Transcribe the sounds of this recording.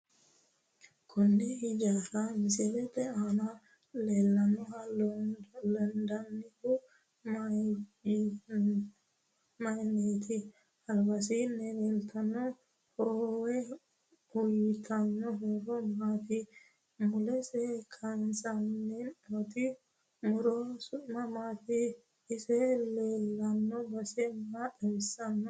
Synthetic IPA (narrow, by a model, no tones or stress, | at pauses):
kʰɔnːɛhid͡ʒaɾamisɛlɛtɛana | lɛlːanːɔhal | land̪anːihu | majnet̪ʰi | hɐlbasinɛlɛlt̪ʰanɔ | howɛ | ʊjt̪ʰɐnːɔɦeɾɔmaːt̪ɪ | mʊlɛsɛkʰɐnsanːɛot̪ɪ | mʊɾɔsʊtmɐmaːt̪i | ɪsɛleːlːɐnːɔbɐsɛmatɐjɪsːɐnːɔ